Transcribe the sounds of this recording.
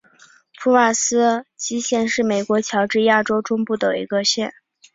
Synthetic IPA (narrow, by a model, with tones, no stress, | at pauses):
pʰu˥˧wa˥˩sɹ̩˥t͡ɕi˥ɕjɛ˥˧nʂɻ̩˥˩me˨˩ɪkwɔ˧˥t͡ɕʰjɑ˧˥ʊʈ͡ʂɻ̩˥˧ja˥˩ʈ͡ʂo˥ʊʈ͡ʂʊ˥ŋpu˥˩d̪ə˩ḭ˧˥ɡə˧ɕjɛ˥˩n